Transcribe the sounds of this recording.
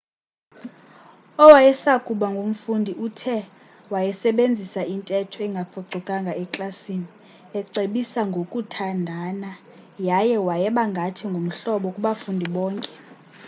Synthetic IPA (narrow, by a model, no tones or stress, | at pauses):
ɔwajɛsakʼuɓaŋɡʱom̩fundʱiʔutʰɛ | wajɛsɛɓend͡zʱisaintʼɛtʰɔɛŋɡʱapʰɔǀʱɔkʼaŋɡʱaɛkʼlasini | ɛǀeɓisaŋɡʱokʼutʰandʱana | jajɛwajɛɓaŋɡʱatʰiŋɡʱom̩ɬɔɓɔkʼuɓafundʱiɓɔːŋkʼɛ̥